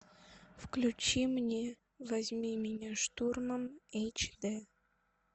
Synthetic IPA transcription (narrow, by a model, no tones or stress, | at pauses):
fklʲut͡ɕimnʲe | vɐzʲmʲimʲɪnʲaʂt̪urməmejt͡ɕd̪ɛ